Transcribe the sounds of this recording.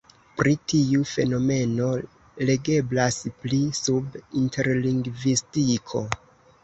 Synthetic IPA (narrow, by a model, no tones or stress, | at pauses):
pɾitiufe̞no̞me̞no̞ | le̞ɡe̞blasplisubintʰe̞ɾliŋɡvistikʰo̞